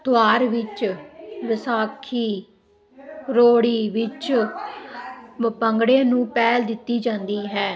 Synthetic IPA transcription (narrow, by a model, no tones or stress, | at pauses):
t̪ʊaːɾʋɪt͡ʃʋɪsaːkʰiː | ɾoːɽiːʋɪt͡ʃ | pəŋɡɽẽːnũːpɛːld̪ɪt̪ːiːd͡ʒãːnd̪iːɦɛː